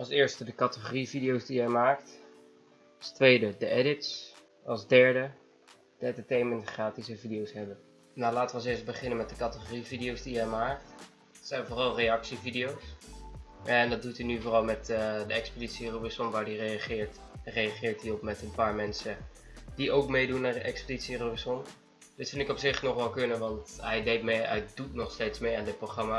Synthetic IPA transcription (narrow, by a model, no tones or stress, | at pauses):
ɑlˠsɪːɹstədəkɑtəχorividijowzdijɛjmaːkt | ɑstʋejdədəʔɛdɪts | ɑlˠzdɛɹdə | d̥əɛntətejməntχraːtisəvidijowsɦɛbən | nalaːtəʋəɑlˠsɪːɹst̚bəχɪnəmɛt̚dəkɑtəχorividiowzdijɛjmaːk̚t | ɛtsɛjnvoːrɑlˠrejɑksividijows | ʔɛndɑdutinyvoːrɑlˠmɛtədəɛkspəditsirobisɔnʋaːɹdireaχɪːɹtrejaχɪːɹtiɔpmɛtənpaːɹmɛnsə | diowkmejdunːaːɹdəʔɛkspəditsiroisɔn | dɪtfɪnɪkɔpsɪχnɔχʋɛlˠkɵnəʋɑntɦɛjdejt̚mejɛjdutnɔχstejtsmejaːndət̚proχrɑmaː